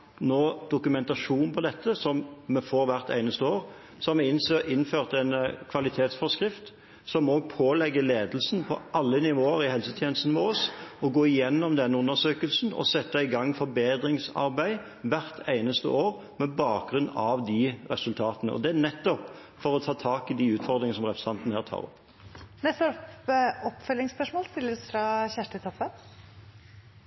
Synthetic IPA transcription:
noːd̪̥ʊkʉmɛnt̪ɑʂuːnn̩pʰɔd̪ɛt̪ːəsɔmːɛfɔːɾʋæʁt̪ʰæ̰ɪnəst̪əoːʁ | sɔmːɛɪnsøːɪnføːʁt̪ɛnkʰʋɑlɪt̪ʰeːt̪sfɔskʁɪft̪ | sɔmoːɡ̚pʰoːlɛɡːəleːd̪əl̩snpʰɔ̰ʔɑlːənɪʋoːəɾɪhɛlsət̪ʰjeːnəst̪n̩ʋoːsɔɡoːɪjɛnːɔmd̪ɛnːəʉnːəɾʂøːkəlsn̩ɔ̰sɛt̪ːəɪɡɑŋːfɔɾbeːd̪ɾɪŋsɑ̰ɾbæɪ | ʋæʁt̪ʰæɪnəst̪ə̰ʔoːɾ | mɛbɑːk̚ɡɾʉnːɑʋd̪iɾɛ̰sʉlt̪ʰɑːt̪ənə̰ʔɔ̰d̪ɛænɛt̪ːɔp | fɔɾɔt̪ʰɑːt̪ʰɑːkɪd̪iʉːt̪fɔɾd̪ɾɪŋsɔmʁɛpɾəst̪ɑnt̪n̩hæːɾt̪ʰɑ̰ːʁɔ̰pː | nɛsɔpɔpfœlːɪŋspœʂmoːlst̪ɪlːəɾsfɾɑçæʂʈət̪ʰɔpːən

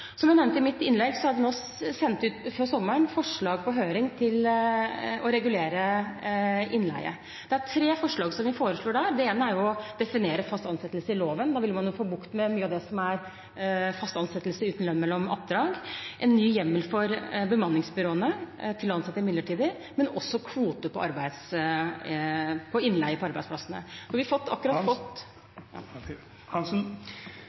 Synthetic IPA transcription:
sɔmjænɛmnt̪əɪmɪt̪ːɪnlɛɡsɔhɑɾʋɪnoː | sɛnt̪ʉːt̪fɔsɔmːəɳfɔʂɭɑːɡpʰɔɦøːɾɪŋt̪ʰɪl | ɔɾɛɡʉleːɾə | ɪnlæ̰ɪə̰ | d̪ɛæʈʰɾeːfɔʂɭɑːɡsɔmʋɪfoːɾəsʂɭoːɖæɾd̪ɛeːnəæɾjʊɔd̪ɛfɪneːɾəfɑst̪ɑnsɛt̪ːəlsəɪloːʋənd̪ɑːʋɪlmɑnjuːfoːbʊkt̪mɛmyːəɑʋd̪ɛsɔmæɾ | fɑst̪ɑnsɛt̪ːəlsəʉːt̪n̩lɛnmɛlːɔmɑ̰p̚d̪ɾɑːɡʔɛnːyːjɛmːəlfɔɾbəmɑnːɪŋsbʏɾoːənət̪ʰɪlɔɑnsɑt̪ːəɪmɪd̪ləʈʰiːd̪əɾ | mɛnɔsːɔkʰʋuːt̪əpʰɔʔɑɾbæɪd̪s | pʰɔɪnːlæɪəpʰɔɑɾbæɪsplɑsənə̰ɔʋɪɑfɔt̪ːɑ̰kːʉɾɑt̪fɔt̪

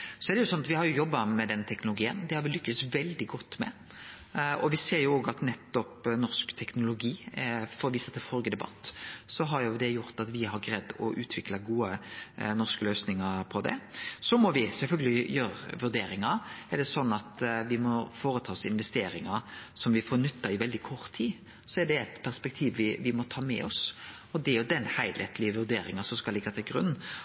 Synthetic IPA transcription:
sɔɛɾd̪ɛjʊsɔnːɑt̪ʋɪhɑɾjʊjɔbːɑmɛd̪ɛnːət̪ʰɛknʊlʊɡiːənd̪ɛhɑɾʋɪlʏkːəsʋɛld̪ɪɡɔt̪ːmɛ̰ | ɔʋɪseːɾjʊoːɡɑt̪nɛt̪ːɔpnɔʁskt̪ʰɛknʊlʊɡiːfɔɾɔʋɪsɑt̪ːəfɔɾɡəd̪ɛbɑ̰t̪ːsɔɦɑɾjʊd̪ɛjʊɾt̪ɑt̪ʋɪɦɑɾɡɾɛd̪ːɔ̰ʔʉːt̪ʰʋɪkləɡuːənɔʁskəløːsnɪŋɑɾpʰɔd̪ɛ̰sɔmɔʋɪsɛlfœlɡəlɪjøːɾʋʉɾd̪eːɾɪŋɑɾɛɖɛsɔnːɑt̪ʋɪmɔfoːɾət̪ʰɑːɔsɪnʋɛst̪eːɾɪŋɑsɔmʋɪfoːɾnʏt̪ːɑɪʋɛld̪ɪkʰɔɾt̪ʰːiː | sɔɛɖɛt̪pʰæɾspɛk̚t̪ʰiːʋʋɪʋɪmɔt̪ʰɑːmɛ̰ɔs | ɔd̪ɛæjʊd̪ɛnhæɪd̪ɛt̪lɪəʋʉɾd̪eːɾɪŋɑsɔmskɑlɪɡːɑt̪ʰɪlɡɾʉ̰nː

